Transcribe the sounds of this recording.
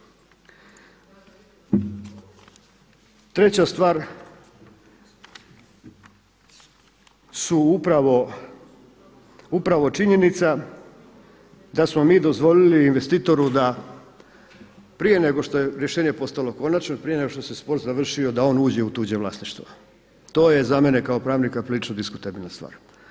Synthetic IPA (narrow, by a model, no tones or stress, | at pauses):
t̪ɾe̞t͡ɕast̪ʋaːɾ | suupɾaʋo | upɾaʋo̞t͡ʃiɲe̞nit̪sa | d̪asmo̞miːd̪ozʋo̞liliːnʋest̪iːt̪o̞ɾud̪a | pɾije̞ne̞ɡo̞ʃt̪o̞je̞ɾjeʃeːɲepo̞st̪alo̞ko̞nat͡ʃnopɾijene̞ɡo̞ʃt̪o̞sespo̞ɾt̪zaʋr̩ʃio̞d̪ao̞ːnuːd͡ʑe̞ut̪uːd͡ʑeʋlˠaːsniʃt̪ʋo | t̪o̞ːje̞zame̞ne̞kaopɾaːʋnikapɾilit͡ʃnod̪isku̥t̪abilnast̪ʋa̰ːɾ